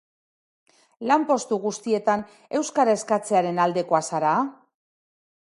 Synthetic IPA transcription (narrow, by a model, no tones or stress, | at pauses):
lampo̞st̪uɣust̪ie̞t̪an | e̞wskaɾae̞skat͡se̞aɾe̞nald̪e̞ko̞asaɾaː